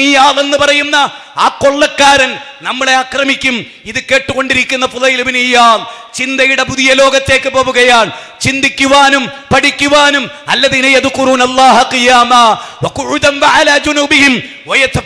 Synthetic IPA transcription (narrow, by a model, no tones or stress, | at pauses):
ijaːle̞nːɨpɐrɐjunːɐ | aːko̞ɭːɐkːaːɾɐnnɐmːɐɭe̞ɐkrɐmikʲːum | iðɨke̞ːʈːuɣo̞ɳɖiɾikʲːunːɐfuðɐjilbinijaːlt͡ɕind̪ɐjuɽepuðijɐlo̞ːɡɐt̪ːe̞ːkːɨpo̞ːʋuɣɐjaːɳ | t͡ɕind̪ikʲːuʋaːnumpɐʈikʲːuʋaːnum | ɐlːɐðinɐjɐðkʊɾuːnɐlˤːaːɦɐqijaːmaːwɐqʊʕʊd̪ɐnʋɐʕalaːd͡ʒunuːbihim | wɐjɐt̪ːɐ